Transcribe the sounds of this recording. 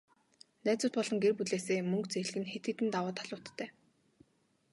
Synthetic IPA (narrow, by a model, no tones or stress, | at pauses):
næːt͡sʊːt̪̚pɔɮɞ̆ŋɡerpuɮeːseːmɵŋkt͡seɮ̆ɣɘ̆nxet̪̚ɡɘ̆t̪ɘ̆nt̪awaːt̪ʰaɮʊːt̪ʰːæː